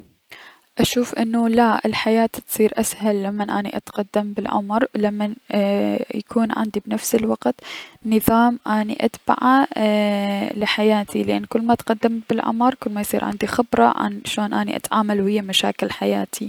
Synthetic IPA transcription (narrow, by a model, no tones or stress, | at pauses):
ʔaʃuːfʔɪnːulaʔɪlħajaːt̪t̪sˤiːɾʔashalːamːanʔaːniʔat̪qad̪ːambɪlʕʊ̰mɾˤlamːan | jakʰuːnʕɪ̰nd̪ibnafsɪlwɑqt̪nɨðˤɑːmʔaːniʔat̪ba̰ʕa | lɪħajaːt̪ʰilɪʔanːkʊlːmaʔt̪qad̪ːambɪlʕʊ̰mɾˤkʊlːmajsˤiːɾʕɪ̰nd̪ixɪbɾˤɑ̰ʕa̰nʃoːnʔaːnḭʔa̰t̪ʕaːmalwhɪjːamaʃa̰ːkɪlħajaːt̪ʰi